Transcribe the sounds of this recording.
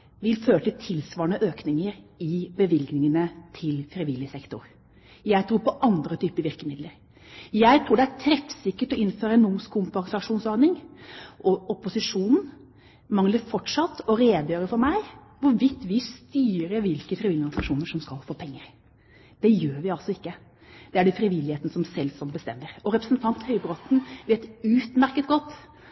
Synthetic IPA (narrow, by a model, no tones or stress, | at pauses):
ʋɪlføːɾəʈɪlt̪ʰɪlsʋɑːɾəɳəʔøːknɪŋəɾɪbəʋɪlɡnɪŋənət̪ʰɪlfɾɪʋɪlːjəsɛkt̪ʊɾ | jæɪt̪ʰɾuːɾpɔʔɑnd̪ɾət̪ʰyːpəɾʋɪɾkəmɪd̪ləɾ | jæɪt̪ʰɾuːɖɛæʈʰɾɛfsɪkːəʈɔʔɪnføːɾəɛnʊmskʰʊmpɑŋsɑʂuːnsɔɾnɪŋʔɔɔpʊsɪʂuːnn̩ | mɑŋləɾfɔʈʂɑt̪ːɔɾeːd̪jøːɾəfɔɾmæɪʋʊɾʋɪt̪ːʋɪst̪yːɾəʋɪlkəfɾɪʋɪlɪɔɡnɪsɑʂuːnəʂɔmskɑlfoːpʰɛŋːəɾ | d̪̥ɛjøːɾʋɪɑlsɔɪkːə | d̪̥ɛæɖɛfɾɪʋɪlɪheːt̪ənəsɔmsɛlːsɔmbəst̪ɛmːəɾɔɾɛpɾəsnt̪ʰɑnt̪hyːbɾɔt̪nʋɪɛt̪ʉːt̪mæɾkət̪ɡɔt̪ː